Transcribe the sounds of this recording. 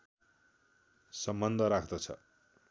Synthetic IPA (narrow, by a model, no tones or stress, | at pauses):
sʌmbʌnd̪ʱʌɾakʰt̪ʌt͡sʰʌ̰